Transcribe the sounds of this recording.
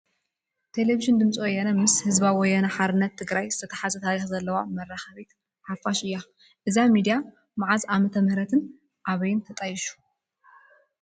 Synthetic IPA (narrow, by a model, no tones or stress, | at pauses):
t̪ʰe̞leviʒɪnd̪ɨmt͡sʼiwɔjːanɐmɨshɨzbawɔjːanɐħaɾɨnːɐt̪ʰːɨɡɾajzɨt̪ʰɐt̪ʰɐ̥ħazɐt̪ʰaɾixzɐlːɐwamɐraxɐβit̪ | ħafːaʃɨjːa | ʔɨzamid̪ija | maʕazamɐt̪ʰɐmhɾɐt̪ʰɨn | ʔaβɐjɪnt̪ʰɐt̪ʼɐjɪʃu̥